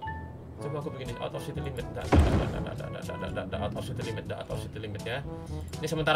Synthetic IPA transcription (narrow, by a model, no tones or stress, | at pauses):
t͡ʃumuakubəɡinɪʔɔ̰t̪ɔfsit̪ilimət̪̚da̰ʔda̰da̰da̰ʔda̰da̰da̰da̰da̰da̰ʔdadaʔɔt̪ɔfsit̪ilimət̪̚daʔɔ̰t̪ɔfsit̪ilimɪt̪janisəmənt̪aɾ